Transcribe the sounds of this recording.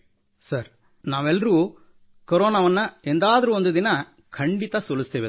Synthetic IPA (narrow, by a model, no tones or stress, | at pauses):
sɐɾ | naːmɛlru | koɾoːnaːʋɐnːaɛnd̪aːðɯɾɯ̃ʋɐnd̪ɯðinːaː | kʰɐɳɖɪt̪ːaːsɔlːɯst̪ːeʋe